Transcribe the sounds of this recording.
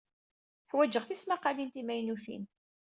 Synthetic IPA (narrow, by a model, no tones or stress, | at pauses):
ħwæd͡ʒːəʁθismaqːalint̪imæjnuθḭn